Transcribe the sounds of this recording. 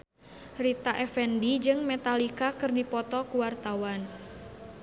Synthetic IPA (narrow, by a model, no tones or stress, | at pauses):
rit̪aʔɛfɛndid͡ʒɨŋmet̪alikakɨrdipɔt̪ɔkuwart̪awan